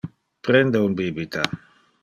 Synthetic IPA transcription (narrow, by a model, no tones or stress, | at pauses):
pɾend̪eunbibit̪a